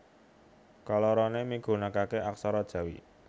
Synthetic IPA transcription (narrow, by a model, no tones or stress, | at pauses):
kalɔɾɔnemiɡ̥o̤nakakeʔaksɔɾɔd̥ʒ̥ä̤wḭ